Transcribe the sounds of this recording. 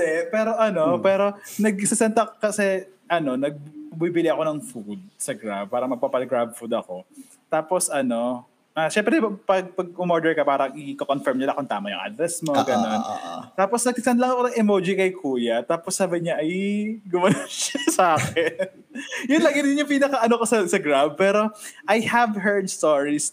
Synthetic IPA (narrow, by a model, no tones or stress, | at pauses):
ɛpɛːɾo̞ʔɐnopɛːɾo̞nɐɡ̚sɪsɛnt̪ɐkkɐsɛʔɐno̞nɐɡ̚ɐbibɪlɪʔɐko̞nɐŋfud̪̚sɐɡɾab̚paːɾɐmɐɡ̚papɐlɡɹab̚fud̪ɐko̞ | t̪aːposʔɐno̞ | ʔaʃɛmpɾɛpɐɡ̚pɐɡ̚ʊmoɹd̪ɛɹkɐpaːɾɐŋʔɪkokonfɛɹmɲɐlɐkʊnt̪a̰ːmɐjʊ̰ŋʔa̰d̪ɾɛsmoɡɐnon̰t̪aːposnɐɡsɪt̪ɐnd̪lɐŋɐkonɐŋɛmod͡ʒikɐjkʰuːjɐt̪aːposːaːbɪɲaʔɐjɡʊmɐnoʃɐsɐaːkɛn | jʊnlɐɡɪnɪɲjʊŋpiːnɐkɐʔɐnokosɐsɐɡɹab̚pɛːɾo̞ʔajhɐvɦɛɹd̪̚st̪oɹis